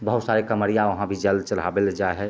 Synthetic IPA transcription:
bəɦut̪saɾekəməɾijaʋəɦãbʱid͡ʒəld̪t͡ʃəlɦa̰beld͡ʒaeɦɛ

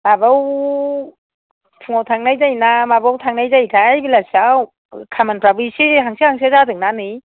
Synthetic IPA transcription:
mabaw | pʰuŋawtʰaŋnajzajnamabawtʰaŋnajzajtʰajbilasaw | kʰamanpɾabɯjsiɦaŋsihaŋs̬ʰezadɯŋnanɯ

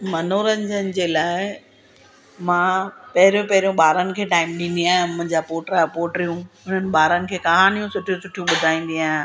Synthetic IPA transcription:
mɐnoːɾənɪd͡ʑənɪ̆d͡ʑeːlaːɪ | mãːpɐɦɪɾijõpɐɦɪɾijõɓaːɾənɪ̆kʰeːʈaːɪmɗĩːnd̪iaːɦɪ̃ʊmə̃ɲd͡ʑaːpoːʈəɾaːɦpoːʈɾijũʊn̤ənɪ̆ɓaːɾənɪ̆kʰeːkɐɦaːnijũsʊʈʰijusʊʈʰijũɓʊd̪ʱaːĩːn̆d̪ĩaːɦ

